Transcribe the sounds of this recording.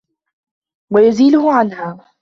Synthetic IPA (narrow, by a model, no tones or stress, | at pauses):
wajʊziːlʊhʊʕanhaː